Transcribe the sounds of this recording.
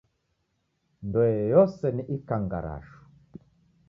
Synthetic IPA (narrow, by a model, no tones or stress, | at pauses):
ndɔɛjɔsɛniʔikaŋɡa̰ɾa̰ʃu̥